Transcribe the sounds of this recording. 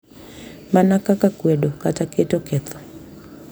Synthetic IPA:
manakakakwɛɗɔkatakɛtɔkɛθɔ̥

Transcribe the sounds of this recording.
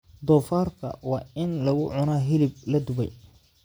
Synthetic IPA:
d̪ɔːfaːrkʰɐ̰wɑːɪnlɐɣʊʕʊnaːɦɪlɪb̚lɐd̪ʊβɛ̰j

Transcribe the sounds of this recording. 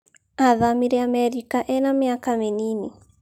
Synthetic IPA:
aðamiɾiamɛɾikaʔɛnamɪakamenini

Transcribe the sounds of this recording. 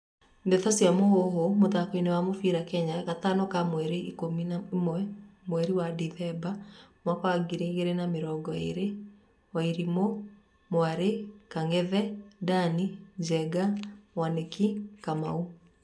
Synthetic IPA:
ndetɔsjamohoɦomoðakoinewamofiɾakɛɲaɣatanɔkamwɛɾeikomimwɛmwɛɾiwadiðɛbamwakwaɡiɾeɣeɾenameɾɔːɡɔḛɾe | waiɾimo | mwaɾekaŋɛðɛdanid͡ʒɛɡamwanekikamau

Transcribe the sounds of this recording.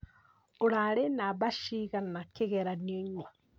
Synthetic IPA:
oɾaɾenaβaʃiɣanakeɣɛɾanieɲwa

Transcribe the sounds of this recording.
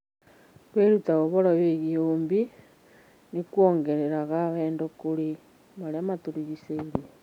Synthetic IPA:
kweɾutaɣoβoɾaβeɣioːmbi | nikwoːŋɡeɾeɾaɣaβeːndokoɾi | maɾeamatuɾiɣiseiɾe

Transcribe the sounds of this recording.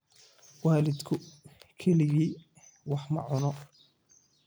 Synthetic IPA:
waːlɪd̪kʰʊkʰɛlɪɣiː | wɑħmɐ̰ʕʊnɔ

